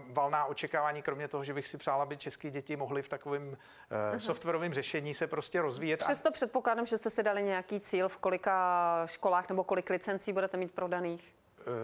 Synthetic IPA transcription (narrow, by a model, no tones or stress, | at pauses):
valnaːʔo̞t͡ʃɛkaːvaːɲiːkɾo̞mɲɛt̪o̞ɦoʒɛbɪxsɪpr̥aːlabɪt͡ʃɛskiːɟɛcɪmoɦlɪft̪akovɛːm | soft̪vɛɾovɛːmrɛʃɛɲiːsɛpɾo̞scɛɾo̞zviːjɛt̪rɛst̪opr̥ɛt̪̚po̞klaːdamʒɛst̪ɛsɪdalɪɲɛjakiːt͡siːlfko̞lɪkaʃko̞laːxnɛbo̞ko̞lɪklɪt͡sɛnt͡siːbudɛt̪ɛmiːt̪̚pɾo̞daniːx